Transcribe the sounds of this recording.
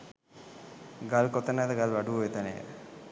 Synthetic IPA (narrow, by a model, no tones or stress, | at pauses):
ɡalkot̪ənad̪əɡalʋaɖuoʋet̪ənḛːd̪